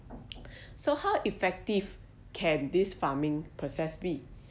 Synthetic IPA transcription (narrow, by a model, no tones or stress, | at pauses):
sohawʔifɛk̚tiv | kʰɛ̃ndisfamɪ̃ŋpʰɹɔsɛsbi